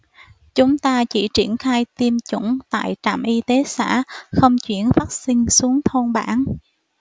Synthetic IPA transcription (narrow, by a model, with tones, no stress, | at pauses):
t͡ɕʊ˨˦ŋ͡mt̪aː˧t͡ɕḭ˧˩t͡ɕi˧˩ənxaː˧jt̪i˧əmt͡ɕʊ̰˧˩ŋ͡mt̪a̰ː˧˨jt͡ɕa̰ː˧˨mʔi˧t̪e˨˦sa̰ː˧˥xə˧wŋ͡mt͡ɕwḭ˧˩ənfaː˦˥t̚sï˧ŋ̟su˨˦əŋt̪ʰo˧nɓaː˧˩n